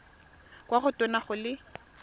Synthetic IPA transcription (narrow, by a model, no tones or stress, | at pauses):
kwaχʊtʼenaχʊlɪ